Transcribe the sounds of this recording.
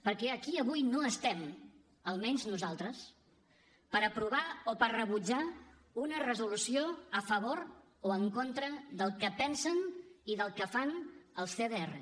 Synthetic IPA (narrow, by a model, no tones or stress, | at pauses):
pəɾkɛəkiəβujnoəst̪ɛm | əlˠmɛɲznuzalˠt̪ɾəs | pəɾəpɾuβ̞aopəɾrəβud͡ʒa | unərəzulusioəfəβ̞oɾ | oəŋkont̪ɾəðəlˠkəpɛnsəniðəlˠkəfanəlˠsθeðeerə̰